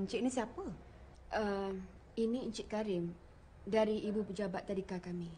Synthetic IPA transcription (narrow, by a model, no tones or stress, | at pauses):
əɲt͡ʃɪʔnĩsiapə | ʔəm | inĩəɲt͡ʃɪʔ̪̚kaɾɪm | daɾiibupəd͡ʒabat̪ːadikakami